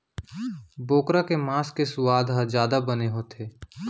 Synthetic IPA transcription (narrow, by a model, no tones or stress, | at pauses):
boːkɾakemaːskesʊwaːd̪ɦad͡ʒjaːd̪abəneɦoːt̪ʰeː